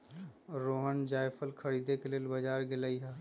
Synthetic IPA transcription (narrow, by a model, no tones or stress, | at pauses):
ɾoːɦənd͡ʒaːjpʰəlkʰəɾiːd̪ekeleːlbəd͡ʒaːɾɡelaːiɦaː